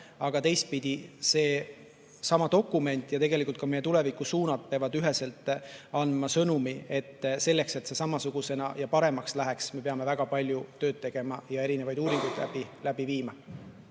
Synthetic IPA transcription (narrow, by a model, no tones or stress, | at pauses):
ɑɡ̥ɑt̪e̞jst̪̚pid̪̥ʲise̞ː | sɑmɑd̪o̞kːˑume̞nʲt̪ːˑjɑt̪e̞ɡ̥elikult̪̚kɑmejeule̞vikːˑusuːnɑd̪̥̚peɑvɑd̪yɦe̞se̞lt̪ːˑɑnd̪mɑsɤnumie̞t̪ːse̞lːe̞kse̞t̪se̞sɑmɑsuɡ̥use̞nɑjɑpɑɾe̞mɑkslæɦeksme̞pe̞ɑme̞væɡ̥ɑpɑlʲjut̪ø̞ːd̪̥̚t̪ːe̞ɡ̥e̞mɑjɑe̞ɾine̞vɑjd̪̥uːɾiŋɡ̥ujd̪̥læ̰bilæb̥iviːmɑ